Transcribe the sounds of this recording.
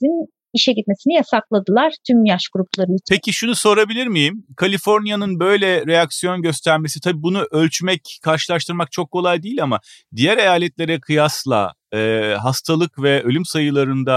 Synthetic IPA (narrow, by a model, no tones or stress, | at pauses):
in | iʃɛɟit̪̚me̞sinijasaklˠad̪ɯlˠaɾ̥t̪ʰymjaʃɡ̥uɾuplˠaɾɯt͡ʃpʰecʰiʃunuso̞ɾabilʲiɾmijimkʰalʲifo̞ɾnjanɯnbø̞jlʲɛɾe̞jaksijo̞nɟø̞st̪ʰæɾme̞si̥t̪ʰabibunuʔølʲt͡ʃmɛckʰːaɾʃɯlˠaʃt̪ʰɯɾmak̚t͡ʃʰo̞kʰːo̞lˠajd̪iːilʲamad̪ijæɾe̞jaːlʲɛt̪lʲe̞ɾɛkʰɯjaslˠa̰ | ɛːɦast̪ʰalˠɯkvɛø̞lʲymsajɯlˠaɾɯnd̪a